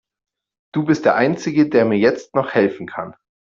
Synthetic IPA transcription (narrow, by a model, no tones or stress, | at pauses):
d̥uːbɪst̚d̥eːɐʔaɪnt͡sɪɡədeːɐmiːɐjɛt͡stnɔχhɛlfn̩kʰan